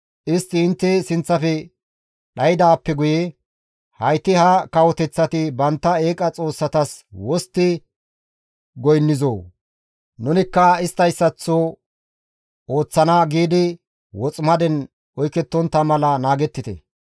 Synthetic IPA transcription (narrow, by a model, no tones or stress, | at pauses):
ʔɪst̪ːɪːnt̪ːɛsɪnt͡sːɐfɛ | ɗɐjɪd̪aːpːɛɡʊjɛ | hɐjt̪ːɪhɐkɐwɔt̪ɛt͡sːɐt̪ɪbɐnt̪ːɐe̞ːkʼɐt͡sʼo̞ːsːɐt̪ɐswɔst̪ːɪ | ɡɔjnːɪzoː | nʊnɪkːɐɪst̪ːɐjsːɐt͡sːo | oːt͡sːɐnaːɡiːd̪ɪ | wɔt͡sʼmɐd̪ɛn | hɔjkɛt̪ːɔnt̪ːɐmɐlɐnaːɡɛt̪ːɪt̪ɛ̰